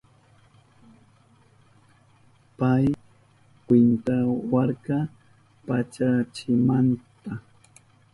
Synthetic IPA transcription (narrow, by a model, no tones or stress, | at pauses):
paj | kwɪnt̪awaɾka | pat͡ʃat͡ʃɪmant̪a